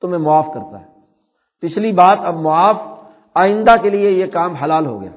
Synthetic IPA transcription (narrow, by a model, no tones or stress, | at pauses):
t̪ʊmẽmʊaːfkɐɾt̪a̰ɦɛː | pɪt͡ʃʰlibaːt̪ɐbmʊaːf | aːɪ̃nd̪akeliejekaːmɦɐlaːlɦo̰ɡɐ̰ja̰ː